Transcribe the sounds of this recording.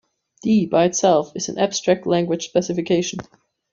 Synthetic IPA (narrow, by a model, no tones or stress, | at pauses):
d̥ibaɪɨtsɛlˠfɨz̥̃n̩æb̥stɹ̥æk̚tˡlæ̃ŋɡwɨd̥ʒ̥spɛsɨfɨkʰeɪʃn̩